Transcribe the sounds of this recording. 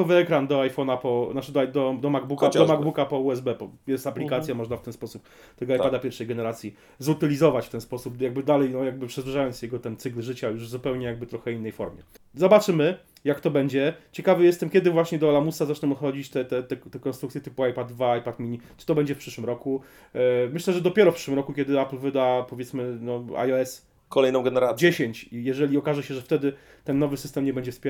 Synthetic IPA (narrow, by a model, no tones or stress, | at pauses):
kɔvɘɛkɾand̪ɔajfɔnapɔnat͡ʂɨd̪ɔd̪ɔd̪ɔmaɡ̚bukad̪ɔmaɡbukapɔuɛzbɛpɔjɛst̪aplʲikat̪sʲjamɔʐnaft̪ɛnspɔsup̚ | t̪ːɛɡɔajpad̪apʲɛɾfʂɛjɡɛnɛɾat̪sʲji | zut̪ɘlʲizɔvat͡ɕft̪ɛnspɔsupjaɡ̚bɘd̪alɛjnɔjaɡ̚bɘpʂɛzvuʐajɔnt̪sjɛɡɔt̪ɛnt̪sɘklʐɘt͡ɕajuʐvzupɛwɲɛjaɡ̚bɘt̪ɾɔxɛinːɛjfɔɾmʲjɛ | zɔbat͡ʂɘmɘ | jakt̪ɔbɛɲd͡ʑɛt͡ɕɛkavɘjɛst̪ɛmkʲɛd̪ɘvwaɕɲɛd̪ɔalamusazat͡ʂɲɛmɔt̪xɔd͡ʑit͡ɕt̪ɛt̪ɛt̪ɛt̪ɛkɔnst̪ɾuk̪sʲjɛt̪ɘpuajpad̪vaajpat̪mʲiɲit͡ʂɨ̥t̪ɔbɛɲd͡ʑɛfpʂɘʂwɘmɾɔku | mɘɕlɛʐɛd̪ɔpʲjɛɾɔfpʂɘ̥ʂwɘmɾɔkukʲɛd̪ɘaplvɘd̪apɔvʲjɛt̪smɘnɔa̰jɔɛs | kɔlɛjnɔ̃w̃ɡɛnɛɾad͡ʑeɕeɲt͡ɕijɛʐɛlʲiɔkaʐɛɕɛʐɛft̪ɛd̪ɘ | t̪ɛnːɔvɘsɘst̪ɛmɲɛbɛɲd͡ʑɛfspʲɛ